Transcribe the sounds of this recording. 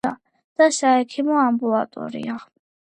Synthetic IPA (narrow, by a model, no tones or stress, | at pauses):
a̰ | d̪̥asaɛkʰimɔambula̰t̪ʼɔ̰ɾḭa